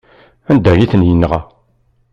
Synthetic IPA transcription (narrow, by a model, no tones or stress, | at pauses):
ænd̪æjiθənjənːʁæ